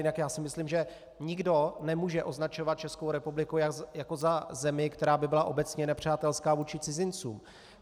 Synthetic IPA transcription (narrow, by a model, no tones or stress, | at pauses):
jɪnakjaːsɪmɪslimʒɛ | ɲɪɡdo̞nɛmuːʒɛʔo̞znat͡ʃo̞vat̪̚t͡ʃɛskowɾɛpublɪkujajako̞zazɛmɪkt̪ɛɾaːbɪbɪlaʔo̞bɛt͡sɲɛnɛpr̝̥aːt̪ɛlskaːvuːt͡ʃɪt͡sɪzɪnt͡suːm